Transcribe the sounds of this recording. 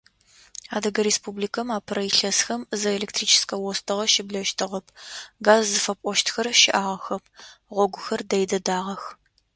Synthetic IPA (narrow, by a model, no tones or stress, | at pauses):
aːdɐɡɐɾeːspuːbliːkʰɐmaːpʰɨɾɐjɪɬɐsxɐmzɐelek̚tʰriːt͡ʃʰɪ̥skʰɐwɔstʰɨʁɐʃɪbɮɐʃtʰɨʁɐpʰɡaːzːɨfɐpʷʼɔʃtxɐrʃɪʔaːʁɐxɐp̚ʰʁʷɔɡʷʊxɐrdɐjdɐdaːʁɐx